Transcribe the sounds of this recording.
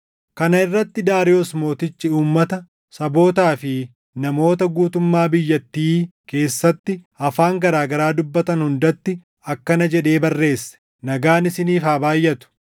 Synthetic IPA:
kɐnɐɪrːɐt̪ːɪd̪aːɾɪosmo̞ːt̪ɪt͡ʃːɪuːmːɐt̪ɐ | sɐbo̞ːt̪aːfɪ | nɐmo̞ːt̪ɐɡuːt̪ʊmːaːbɪjːɐt̪ːiːke̞ːsːɐt̪ːɪ | ɐfaːŋɡɐɾaːɡɐɾaːd̪ʊbːɐt̪ɐnhʊnd̪ɐt̪ːɪ | ɐkːɐnɐd͡ʒɛᶑe̞ːbɐrːe̞ːsːɛ̥ | nɐɡaːnɪsɪniːfaːbaːjːʔɐt̪ʊ̥

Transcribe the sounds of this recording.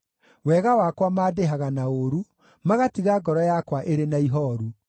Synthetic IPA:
wɛɣawakwamaːdeɦaɣanaoɾu | maɣatiɣaɡɔɾɔjakwaʔeɾenaiɦɔːɾu

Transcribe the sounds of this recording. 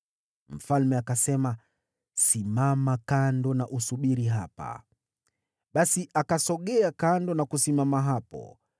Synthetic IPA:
m̩falmɛakasɛma | simamakandɔnaʔusuɓiɾiɦapa̰ | ɓasiʔakasɔɠɛakandɔnakusimamaɦapɔ̰

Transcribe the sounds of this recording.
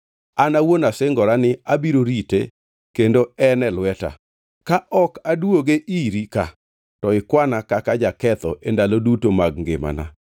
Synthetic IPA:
anawonasɪŋɡɔɾanɪabiɾoɾitḛ | kendoɛnɛlwɛta̰ | kaʔɔkadwoɡeʔiɾika̰ | tɔɪkwanakakad͡ʒakɛt̪ɔʔendalodutomaɡŋɡɪ̰ma̰na̰

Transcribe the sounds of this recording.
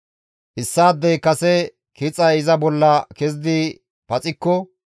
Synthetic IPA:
ʔɪsːaːd̪ːɛjkɐsɛ | kɪt͡sʼɐɪzɐbɔlːɐkɛzd̪i | pɐt͡sʼɪkːɔ

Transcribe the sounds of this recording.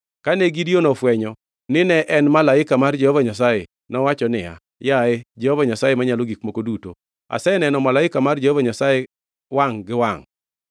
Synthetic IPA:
kanɛɡidionɔfwɛɲɔ | nɪnɛʔɛnmalaɪkamard͡ʒɛhɔvaɲas̬aje | nɔwat͡ʃɔnɪja̰ | jaɛd͡ʒɛhɔvaɲasajemaɲaloɡikmokoduto̰ | a̰sɛnɛnɔmalaɪkamard͡ʒɛhɔvaɲasaje | waŋɡɪwaŋ

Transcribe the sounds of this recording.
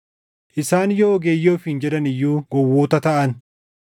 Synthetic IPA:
ʔɪsaːnjoːɡeːjːo̞ːfhɪnd͡ʒɛd̪ɐnɪjːuːɡɔwːoːt̪ɐt̪ɐʔɐn

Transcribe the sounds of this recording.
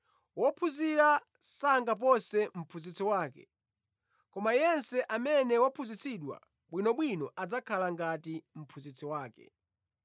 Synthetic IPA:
wɔpʰuziɾa | saŋɡap̬ɔsɛm̩pʰuzit͡sʰɔwaːkɛ̰ | kɔmajɛnsɛʔamɛnɛwapʰuzit͡sʰiɗwa̰ | ɓwinɔɓwinɔʔad͡zakʰalaŋɡatim̩pʰuzit͡sʰɔwaːkɛ̰

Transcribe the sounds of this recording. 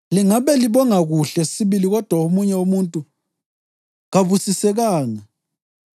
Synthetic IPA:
liŋaβɛliβɔŋaɣuɬɛsiβiliɣɔd̥ʱwaomuɲɛomuntʼu | ɣaβusisɛɣaːŋa

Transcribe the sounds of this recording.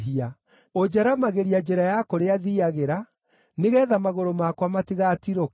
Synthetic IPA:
ɦia | od͡ʒɛɾamaɣeɾiad͡ʑɛɾajakoɾeaðiaɣeɾa | neɣɛːðamaɣoɾomakwamatiɣatiɾo

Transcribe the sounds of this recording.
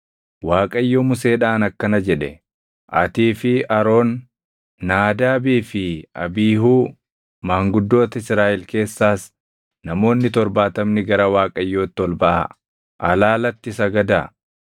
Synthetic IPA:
waːkʼɐjːoːmʊse̞ːᶑaːnɐkːɐnɐd͡ʒɛᶑɛ | ʔɐ̰t̪iːfɪʔɐɾo̞ːnː | aːd̪aːbiːfɪɐ̰biːɦuː | maːŋɡʊd̪ːo̞ːt̪ɐɪsɾaːʔɪlke̞ːsːaːs | nɐmo̞ːnːɪt̪ɔɾbaːt̪ɐmnɪɡɐɾɐwaːkʼɐjːoːt̪ːɪɔlbɐʔɐ̰ | ʔɐlaːlɐt̪ːɪsɐɡɐd̪a

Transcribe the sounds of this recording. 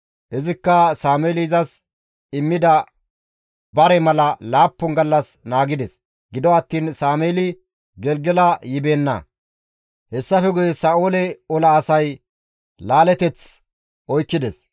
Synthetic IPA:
ʔɛzɪkːɐsaːmeːlɪɪzɐs | ɪmːɪd̪ɐ | bɐɾɛmɐlɐlaːpːʊnɡɐlːɐsnaːɡɪd̪ɛs | ɡɪd̪ɔɐt̪ːiːnsaːmeːlɪ | ɡɛlɡɛlɐjɪbeːnːɐ̰ | hɛsːɐfɛɡʊjɛsaːʔoːlɛɔlɐːsɐj | laːlɛt̪ɛt͡s | ʔɔjkːɪd̪ɛs

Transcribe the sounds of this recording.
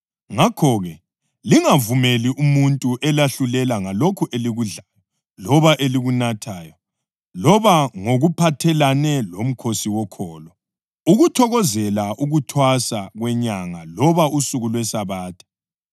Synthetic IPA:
ŋakʰɔɣɛ | liŋavumeliʔumuntʼuʔɛlaɬulɛlaŋalokʰuʔeliɣuɮajɔ | lɔβaʔeliɣunatʰaːjɔ | lɔβaŋoɣupʰatʰɛlanɛlom̩kʰosiwɔkʰɔːlɔ | uɣutʰɔɣɔzɛlaʔuɣutʰwasaɣwɛɲaŋalɔβausuɣulwɛsaβaːtʰḁ

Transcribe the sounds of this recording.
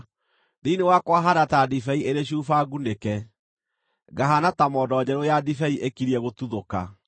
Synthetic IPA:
ðiinewakwaɦaɾatadifɛieɾeɕ̬ufaɡunekɛ | ɡaɦanatamɔdɔd͡ʑɛɾojadifɛiʔekiɾiɛɣotuðoka̰

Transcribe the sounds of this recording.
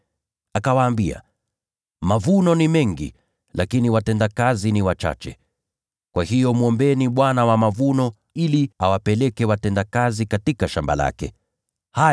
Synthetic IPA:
akawaːmbia̰ | mavunɔnimɛŋɡḭ | lakiniwatɛndakaziniwat͡ʃa̰t͡ʃɛ̰ | kwʔahijɔmuɔmbɛniɓwanawamavunɔ | iliawapɛlɛkɛwatɛndakazikatikaʃamba̰la̰kɛ̰ | ha

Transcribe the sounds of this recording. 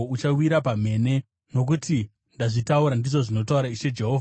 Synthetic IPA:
ut͡ʃawiɾapam̤e̞ne̞ | no̞k̬uti | ndaʐitauɾandiʐo̞ʐino̞tauɾaiʃe̞d͡ʒe̞ɦo̞ːva

